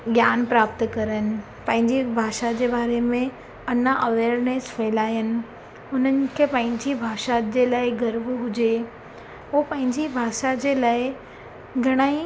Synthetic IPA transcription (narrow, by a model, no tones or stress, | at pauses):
ɡjaːnpɾaːp̚t̪kɐɾənɪ̆ | pɐ̃ɦɪ̃ɲd͡ʑibʱaːʃad͡ʑeːbaːɾemẽ | ɐnaʔɐʋeːɾneːsfeːlaːjənɪ̆ | ʊn̤ənɪ̆kʰepɐ̃ɦɪ̃ɲd͡ʑibʱaːʃad͡ʑeːlaːɪɡɐɾʋɦʊd͡ʑe | opɐ̃ɦɪ̃ɲd͡ʑibʱaːʃad͡ʑeːlaːɪ | ɡʱɐɽ̃aːi